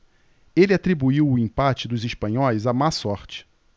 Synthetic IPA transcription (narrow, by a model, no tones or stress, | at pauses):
elɪat̪ɾibuiwʊĩpat͡ʃɪd̪ʊziʃpɐ̃ɲɔjzamasɔɾt͡ʃɪ̥